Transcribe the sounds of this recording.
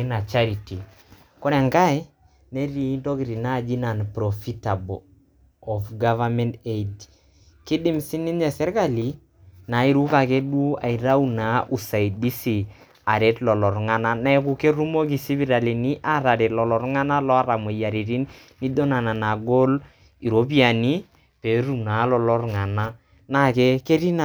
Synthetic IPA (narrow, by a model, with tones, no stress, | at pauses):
na˨t͡ʃa˦ɾi˨ti˨ | kɔ˦ɾɛ˨ŋɡa˦j | ne˦ɾi˦˨i˦nto˦ki˨ɾi˨na˦˨d͡ʒi˦na˨npɾɔ˨fi˦ta˨bɔ | ɔ˨fɡa˦va˦mɛ˦nte˦d | ki˦di˦msi˦ni˦nɲɛ˨sɛ˦ɾka˦li˨ | na˨˦i˦ɾu˦ka˨ke˦du˦a̰˨i˨ɾa˦u˦na˨ʔu˨sa˨i˨di˦si˨ | a˨ɾe˦tlɔ˨lɔ˨ɾŋa˦na˦na˦ɛ˦ku˦ke˦ɾu˦mo˦k̬i˨si˦bi˦ɾa˨li˨ni˦ʔa˦ɾa˨ɾe˨lɔ˨lɔ˨ɾŋa˦na˦lɔ˦a˦ɾa˨me˨ja˨ɾi˨ɾi˦n | ni˦do˦na˨na˨na˨ɡo˦l | i˨ɾo˨˦p̬i˦a˨ni˦ | pe˨ɾu˨na˨lɔ˨lɔ˦ɾŋa˨na˦ | na˨kɛ˦ke˦ɾi˦na˨